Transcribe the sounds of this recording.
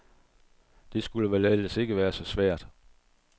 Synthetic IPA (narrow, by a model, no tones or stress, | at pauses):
d̥e̝sɡ̥uləʋælæl̰əse̝ɡ̥əʋæːɐsɒ̽sʋæɐ̰d̥